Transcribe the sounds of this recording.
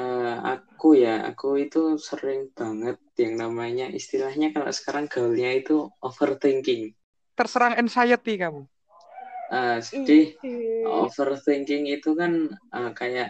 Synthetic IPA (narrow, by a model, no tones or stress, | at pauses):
əa̰kujaa̰kuit̪usəɾɪŋb̥a̤ŋət̪̚jaŋnamaɲaʔḭst̪ilahɲakalo̰ʔsə̥kaɾaŋɡ̥aulɲait̪uʔofərt̪iŋkɪŋ | t̪ərsəɾaŋɛnsajət̪̚ikamu | ʔəːsədɪho̰fərt̪iŋkɪŋit̪ukanəkajaʔ